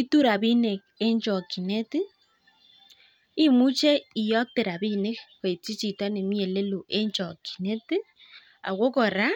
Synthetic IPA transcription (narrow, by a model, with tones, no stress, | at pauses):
i˦tu˦ɾa˨βi˦ne˨ke˦ɲt͡ʃɔ˨ki˨ne˦ti˦ | i˦mu˦t͡ʃe˦i˨jɔ˦k̚te˨ɾa˨βi˦ne˦kwe˨t͡si˦t͡ʃi˨twa˦ne˨mi˦e˨le˦lo˨ʔe˦ɲt͡ʃɔ˨ki̥˨ne˦ti˦ | a̰˨ɣo˦kɔ˨ɾa˦